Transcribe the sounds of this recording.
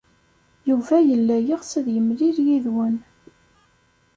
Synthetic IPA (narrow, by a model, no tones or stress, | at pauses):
juvæjəlːæjiʁsæðjəmliɾjiðwən